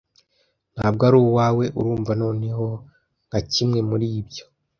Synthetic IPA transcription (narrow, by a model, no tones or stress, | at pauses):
n̥haːb̚ɡaɾuːwwaːwe̞ʔuɾuːɱvano̞ːne̞ho̞ | ŋɡ̥acimŋe̞muɾiːbɟo̞